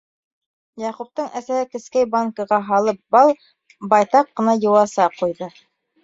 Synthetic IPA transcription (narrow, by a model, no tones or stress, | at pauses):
jɑqup̚t̪ɤɴʔæsæhɘkɘ̆skæjbaŋkɤ̆ʁɑɦɑlˠɤp̚bɑlˠ | bɑjt̪ɑqːɤ̆nɑjɤ̆wɑsɑqujðɤ